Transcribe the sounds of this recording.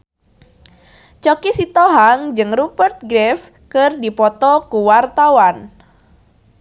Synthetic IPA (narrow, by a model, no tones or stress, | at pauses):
t͡ʃɔkisit̪ɔɦaŋd͡ʒɨŋrubərt̪̚ɡɾɛf | kɨrdipɔt̪ɔkuwart̪awan